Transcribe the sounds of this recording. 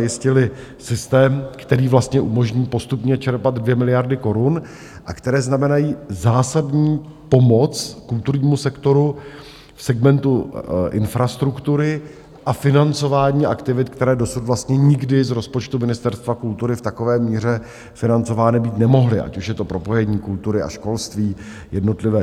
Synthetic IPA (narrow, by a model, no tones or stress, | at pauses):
jɪscɪlɪsɪst̪ɛːmkt̪ɛɾiːvlast̪ɲɛʔumo̞ʒɲiːpo̞st̪upɲɛt͡ʃɛɾpad̪dvjɛmɪlɪjaɾdɪko̞ɾun | ʔakt̪ɛɾɛːznamɛnajiːzaːsadɲiːpo̞mo̞t͡skult̪uɾɲiːmusɛkt̪o̞ɾu | fsɛɡmɛnt̪uʔɪ̰nfɾast̪ɾukt̪uɾɪ | ʔafɪnant͡so̞vaːɲiːʔakt̪ɪvɪt̪kt̪ɛɾɛːdo̞sut̪vlast̪ɲɛɲɪɡdɪzɾo̞spo̞t͡ʃt̪umɪnɪst̪ɛɾst̪vakult̪uɾɪft̪ako̞vɛːmiːr̝ɛ | fɪnant͡so̞vaːnɪbiːt̪nɛmo̞ɦlɪʔa̰cuʃjɛt̪o̞pɾo̞po̞jɛɲiːkult̪uɾɪa̰ʃko̞lst̪viː | jɛdno̞t̪lɪvɛː